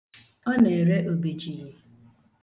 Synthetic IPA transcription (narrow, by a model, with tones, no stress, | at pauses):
ɔ˦ne˨e˨ɾe˦ʔo˨be˨t͡ʃi˨je˨